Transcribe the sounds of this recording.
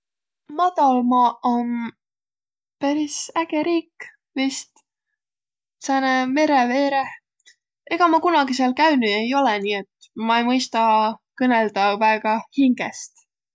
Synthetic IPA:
mɑd̪̥ɑlmɑon | pæɾisæɡ̥eɾiːkː | vist̪ | sæneme̞ɾeve̞ːɾeh | e̞ɡ̥ɑmɑkunɑɡiseɑlkæynye̞jo̞leniːet̪ | mɑejmɤjst̪ɑkɤneld̪̥ɑvæeɡ̥ɑhiŋɡ̥est̪

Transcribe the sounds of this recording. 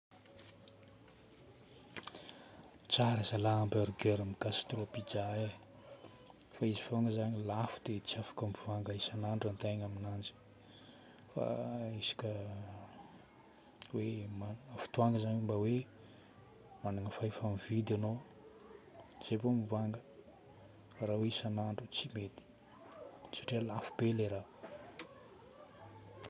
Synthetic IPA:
t͡saɾəzalaambeɾuɡeɾamiɡast̪ropid͡ʒae | faizivoŋɡəzaɲilafud̪̥et͡siafḁkəmiv̥aŋɡaisanaɳɖ͡ʐant̪ajɲaminand͡ʒi̥ | fa̰isḁkʲə | wemaafi̥t̪uaŋɡəzaɲimbawe | manaŋəfaifamvid̪ano | z̥ebomivaŋɡə | faɾaweisanaɳɖ͡ʐut͡simet̪i̥ | sḁʈ͡ʂialafu̥b̥eleɾa

